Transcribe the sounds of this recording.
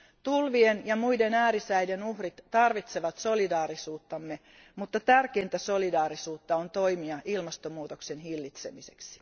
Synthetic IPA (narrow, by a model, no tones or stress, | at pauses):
t̪ulʋienjɑmujde̞næːɾisæjdenuhrit̪ːɑrʋit̪se̞ʋɑt̪so̞lidɑːɾisuːt̪ːɑmːe | mut̪ːɑt̪ærke̞jnt̪æso̞lidɑːɾisuːt̪ːɑont̪o̞imiɑʔilmɑst̪omuːt̪okse̞nɦilːit̪se̞miseksi̥